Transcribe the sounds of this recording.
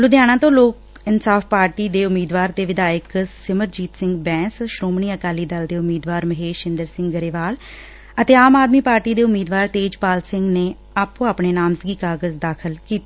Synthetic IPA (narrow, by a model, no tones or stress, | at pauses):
lʊd̪ɪjaːñãːt̪õːloːk | ɪnsaːfpaːɾʈiːd̪eːʊmiːd̪ʋaːɾt̪eːʋɪd̪aːjəksɪməɾd͡ʒiːt̪sɪ̃ŋɡbɛ̃ːsʃɾoːmɳiːəkaːliːd̪əld̪eːʊmiːd̪ʋaːɾməɦeːʃɪnd̪əɾsɪ̃ŋɡɡəɾeːʋaːl | ət̪eːaːmaːd̪miːpaːɾʈiːd̪eːʊmiːd̪ʋaːɾt̪eːd͡ʒpaːlsɪŋɡneː | aːpõːaːpɳeːnaːmsɡiːkaːɡəzd̪aːkʰəlkiːt̪i